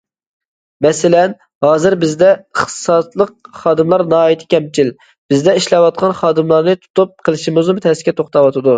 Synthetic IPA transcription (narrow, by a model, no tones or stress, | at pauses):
mɛsɪlɛn | hɑːzɨɾbɪzd̪ɛəχt̪ɨ̥sɑt̪lˠəqχɑːd̪ɨmlˠɑɾnɑɑːjit̪ʰɪ̥kʲʰɛmt͡ʃʰil | b̥ɪzd̪ɛiʃlˠɑwɑt̪̚qʰɑnχɑːd̪ɨmlˠɑɾnɨt̪ʰu̥t̪up̚qʰəlˠɨʃimɨznɨmt̪ʰɛsɪ̥kʲɛt̪ʰoχt̪ɑwɑt̪ʰɨd̪u